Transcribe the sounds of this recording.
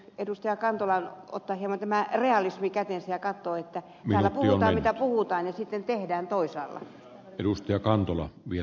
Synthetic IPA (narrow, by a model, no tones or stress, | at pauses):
edust̪ɑjɑkɑnt̪olɑno̰t̪ːɑːhiemont̪æmæreɑlismikæt̪ensæjɑkɑt̪ːoːet̪ːæ | tmæːlːætpuhiuonɑːmmit̪æpuhut̪ɑːnjɑsit̪ːent̪ehdæːnt̪oisɑ̰ːlːɑ̰ | edust̪ɑjɑkɑnt̪olɑ̰ʋie